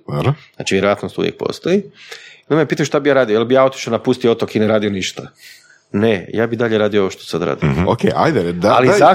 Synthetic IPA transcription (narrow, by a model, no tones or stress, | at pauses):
ɾza̰ːt͡ʃiʋjeɾoʋat̪nost̪ṵjḛk̚po̞̰st̪oionnmjepiːt̪ajuʃt̪abijaːɾaːd̪ioelbijaːo̞t̪i̥ʃanapuːst̪ioot̪okineɾaːd̪ijo̞niʃt̪a | nejaːbid̪aʎeɾaːd̪ioooʃt̪osad̪ɾa̰ːd̪iokeʔa̰jd̪ed̪aalia